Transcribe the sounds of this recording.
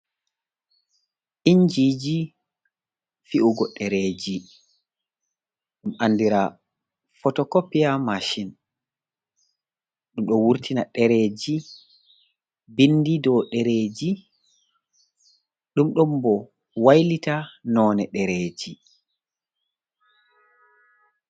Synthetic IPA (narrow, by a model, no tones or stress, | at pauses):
ʔiɲd͡ʒiːd͡ʒi | fiʔuɡɔɗɛɾeːd͡ʒi | ɗumanːdiɾa | fɔtɔkɔpːijamaʃin | ɗumɗɔwuɾtʰinaɗɛɾed͡ʒi | bindidɔɗɛɾeːd͡ʒi | ɗumɗumbɔ | wajlitanɔnɛɗɛɾeːd͡ʒi